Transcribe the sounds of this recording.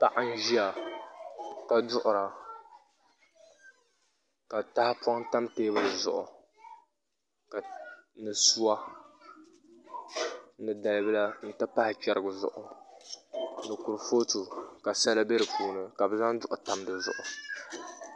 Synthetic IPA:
pa˦ʔa˦n̩˦ʒi˦a˨ | ka˨dʊ˦ʔʊ˨ɾa˨ | ka˨ta˦hɪ˦pwa˦ŋta˦mteː˦bɨ˦dɨ˨zʊ̰˨ʔʊ̰˨ | ka˨nɨ˨su˦wa˦ | nɨ˨da˨lbɨ˦la˦n̩˦˨tɨ˦pa˦hɪ˨t͡ʃɛ˦ɾɨ˦ɡɨ˨zʊ̰˨ʔʊ̰˨ | nɨ˨ku˨ɾfo˦tu˨ka˨sa˦la˦be˦ɾɨ˨pʰuː˨nɨ˨ka˨bɨ˨za˦ŋdʊ˦ʔʊ˨ta˦mdɨ˨zʊ̰˨ʔʊ˨

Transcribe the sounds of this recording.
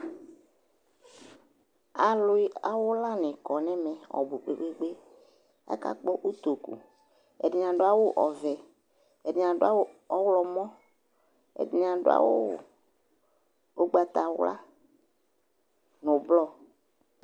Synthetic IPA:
a˨lʊ˦i˦a˨wʊ˦la˦nɪ̃˨kɔ˨nɛ̃˦mɛ˨ɔ̰˨bu˨k͡pe˨ɡ͡be˦ɡ͡be˦ | a̰˦ka̰˦k͡pɔ˦ʔu˦t̪o˨kṵ˨ | ɛ̰˨dɪ˨ɲ˨ã˨ɖo˦a˨wo˦ʔɔ˨vɛ˨ | ɛ˨dɪ˨ɲ˨ã˨ɖʊ˦a˦wo˦ɔ˦wlɔ˨mɔ̃˦ | ɛ̰˨di˨n˨ã˨ɖʊ̰˦a̰˨wo˦ | o˦ɡ͡ba˨t̪a˨wla̰˦ | no˨blɔ˦

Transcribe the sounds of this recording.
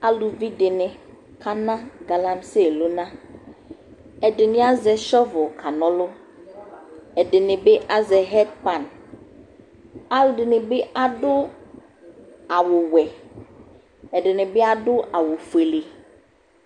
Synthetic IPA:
a˦lu˨vi˦dɪ˨nɪ̃˨ | kʰa˦nã˦ɡa˨lã˦mse˦˨lo˦nã˦ | ɛ˨dɪ˨nɪ̃˦a˦zɛ˨ʃɔ˦vʊ˨kʰa˨nɔ̃˦lʊ˦ | ɛ˨dɪ˨nɪ̃˨be˦ʔa˦zɛ˨ɦɛ˦t̚pã˨n | a˦ldɪ˨nɪ̃˨be˦ʔa˦dʊ˦ | a˨wʊ˨wɛ˨ | ɛ˨ɖɪ˨nɪ̃˨bɪ˦a˦dʊ˦a˨wʊ˨fu˨e˨le˨

